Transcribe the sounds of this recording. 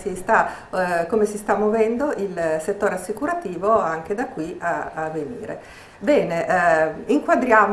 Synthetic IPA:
sist̪akomesist̪amːovɛnd̪oʔilset̪ːoːɾeasːikuɾat̪iːvoaŋk̟ed̪akːwiaːvːenḭːɾḛ | bɛːneʔiŋkwad̪ɾjaːm

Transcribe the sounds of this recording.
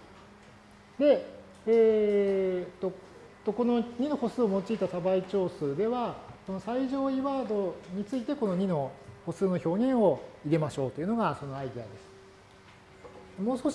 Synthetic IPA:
d̪e̞ | eː | t̪ːo̞ | t̪ːoko̞no̞ɲ̟ino̞ho̞sɨːomo̞t͡ɕiit̪asabait͡ɕo̞ːsɨd̪e̞βaso̞no̞saiʑo̞ːiβaːd̪o̞ɲ̟it͡sɨit̪e̞ko̞no̞ɲ̟ino̞ho̞sɨːno̞ço̞ːɲ̟ĩɰ̃o̞iɾe̞maɕo̞ːt̪oiɯ̟no̞ɡaso̞no̞aid̪ʲiad̪e̞sɨ̥ | d̪emo̞ːskoɕ

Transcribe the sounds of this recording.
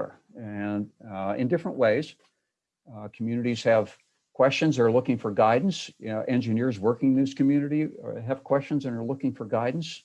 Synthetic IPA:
ə̰˞ | ɨ̃nɪ̰̃ndɪfɹə̃nʔweɪz̥ | kʰm̩jʉnɨɾiz̥ɨv̥ | kʰw̥ɛst͡ʃɨ̃nzə˞lʊkɪ̃ŋfə˞ɡaɪdⁿn̩sɛ̃nd͡ʒɨnɪɹzwɜ˞kɪ̃ŋnɪz̥kʰɨmjʉnɨɾiɨv̥kʰw̥ɛst͡ʃɨ̃nzɨ̃nə˞lʊkɪ̃ŋfə˞ɡaɪdⁿn̩s

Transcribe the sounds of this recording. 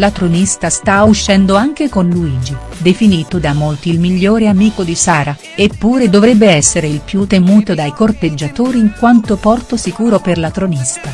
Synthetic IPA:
lat̪ɾonist̪ast̪auʃːɛnd̪oaŋk̟ekonluiːd͡ʒe | d̪efiniːt̪od̪amolt̪iːlmiʎːoːɾeamiːkod̪isaːɾa | epːuːɾed̪ovɾɛbːeɛsːeɾeilpjut̪ːemuːt̪od̪ajkort̪ed͡ʒːat̪oːɾiːŋkwant̪opɔrt̪osikuːɾoperlat̪ɾonist̪a

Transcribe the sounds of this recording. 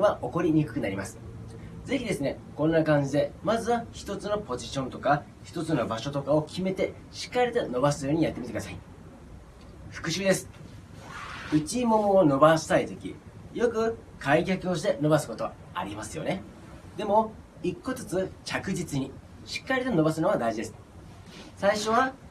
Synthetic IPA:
βaʔo̞ko̞ɾʲiɲ̟ikɯ̟kɯ̟naɾʲimasɨ̥ | d͡ze̞çʲid̪e̞sɨne̞ | kõ̞nːakãɲ̟d͡ʑid̪e̞mazɨβaçi̥t̪o̞t͡sɨno̞po̞ʑiɕõ̞nt̪o̞ka | çi̥t̪o̞t͡sɨno̞baɕo̞t̪o̞kao̞kʲime̞t̪e̞ | ɕi̥kːaɾʲit̪o̞no̞basɨjo̞ːɲ̟ijat̪ːmit̪ekɯasai | ɸɯ̥kɯ̟ɕɨːd̪e̞sɨ̥ | ɯ̟t͡ɕimo̞moːno̞baɕait̪ekʲḭjo̞kɯ̟ | kaikʲakɯ̟o̞ɕi̥t̪e̞no̞basɨ̥ko̞t̪o̞a | a̰ɾʲimasɨjo̞̰ne̞ | d̪e̞mo̞ | ikːo̞tɨt͡sɨt͡ɕakɯ̟d͡ʑit͡sɨɲ̟i | ɕi̥kːaɾʲit̪o̞no̞basɨno̞βad̪aiʑid̪e̞sɨ̥ | saiɕo̞β̞a

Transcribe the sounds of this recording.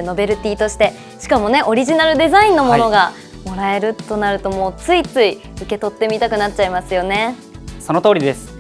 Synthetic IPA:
no̞be̞ɾɯ̟t̪ʲiːt̪o̞ɕi̥t̪e̞ | ɕi̥kamo̞ne̞ʔo̞ɾʲiʑinaɾɯd̪e̞zaĩnːo̞mo̞no̞ɡa | mo̞ɾae̞ɾɯ̟t̪ːo̞naɾɯ̟t̪o̞mo̞ːt͡sɨit͡sɨi | ɯ̟ke̞t̪o̞t̪ːe̞mʲit̪akɯ̟nat̚t͡ɕaimasɨjo̞ne̞ | so̞not̪o̞ːɾid̪e̞sɨ̥

